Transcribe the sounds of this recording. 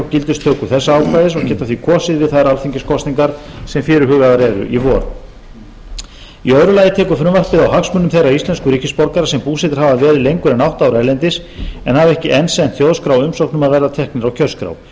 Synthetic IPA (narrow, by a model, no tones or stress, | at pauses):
cɪlt̪ɪst̪ʰœːkʏθɛsːaaːwkʰajðɪsɔcʰɛːht̪aθvikʰɔːsɪðvɪðθaðɾalfiɲcɪskʰɔst̪niŋkaɾ̥sɛmfɪɾɪɾɦʏɣaðaɾɛɾʏ̰ʔivɔːɾ | iœðɾʏlaːjɪt̪ʰɛːkʏfɾʏmvar̥pɪðawɦaksmʏnːʏmθejraist̪lɛnskʏɾihcɪspɔɾkaɾasɛmpuːsɛt̪ɪ̥ɾ̥havavɛːɾɪlejŋkʏɾɛnawht̪aːwɾɛlɛnt̪ɪs | ɛnhavɛhcɪʔɛnsɛnt̪θjowðskɾawʏmsowknʏmaðvɛrðat̪ʰɛhknɪɾawcʰœlskɾa̰ːw